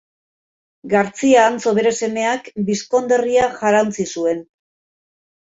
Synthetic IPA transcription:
ɡaɾt͡siaːnt͡so̞βe̞ɾe̞se̞me̞akbisko̞nd̪e̞riaʝaɾant͡sisue̞n

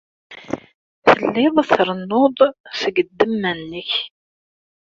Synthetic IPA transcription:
θəlːɪðˤθɾˤənːoðˤsəɡəd̪ːəmːænːəç

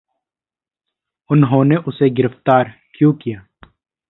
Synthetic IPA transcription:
ʊnɦõːneʔʊseɡɪɾəft̪aːɾ | kjõkijaː

